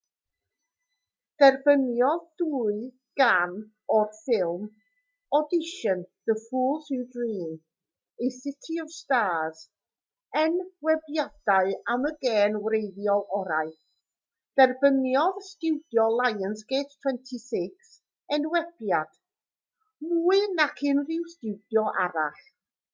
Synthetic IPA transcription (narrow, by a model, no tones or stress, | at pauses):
d̥ɛrb̥ənjɔðduːɨ | ɡ̥an | ɔrfɪlˠm | ɔdɪʃənðəfuːlˠsudriːn | ejsɪtʰiɔstaːz̥ | ɛnwɛbjad̥aɨaməɡɛːnwɾejðjɔlˠʔɔɾaɨ | d̥ɛrbənjɔðstɪwdjɔlˠajənsɡ̥eːttʰw̥ɛntʰisɪks | ɛnwɛb̥jad̥ | muːɨnakʰɪnrɪwstɪwdjɔʔa̰ɾaɬ